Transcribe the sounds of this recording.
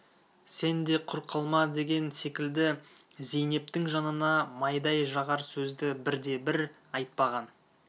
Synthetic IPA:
se̞nd̪e̞qʰʊɾqʰəlˠmɑd̪e̞ɡʲe̞nse̞kʲɪld̪ɪ | zejne̞p̚t̪ɪŋʒɑnənɑmɑjd̪ɑjʒɑʁɑɾsɵzd̪ɪbɪɾd̪e̞bɪɾ | ɑjt̪̚pɑʁɑn

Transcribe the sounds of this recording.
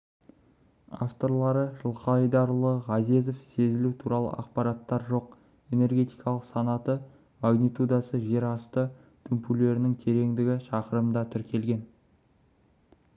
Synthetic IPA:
a̰ft̪o̞ɾlˠɑɾəʒəlˠqɑɑjd̪ɑɾlˠəʁɑzezo̞fse̞zɪlut̪ʰuɾɑlˠə̰ɑqpɑɾɑt̪ːɑɾʒo̞q̚ | e̞ne̞rɡʲe̞t̪ijkʰɑlˠəqsɑnɑt̪ə | maɡnit̪ud̪ɑsəʒe̞ɾɑst̪ə | t̪ʰʏmpule̞ɾɪnɪŋt̪ʰe̞ɾe̞ŋd̪ɪɡʲɪʃɑqəɾəmd̪ɑt̪ʰʏɾkʲʰe̞lɡʲe̞n

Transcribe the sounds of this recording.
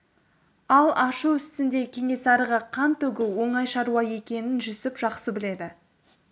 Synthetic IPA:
ɑlˠʔɑʃəʏst̪ɪnd̪e̞kʲʰe̞ŋe̞sɑɾəʁəqʰɑnt̪ɵɡʲɪwo̞ɴɑjʃɑɾuwɑje̞kʲe̞nɪnʒʏsɪpʒ̥ɑqsəbɪle̞d̪ɪ

